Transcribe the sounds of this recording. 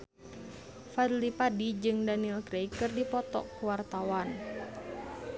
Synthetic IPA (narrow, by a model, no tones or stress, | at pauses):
fad̪lipadid͡ʒɨŋdanilkɾɛikɨrdipɔt̪ɔ̰kuwart̪awan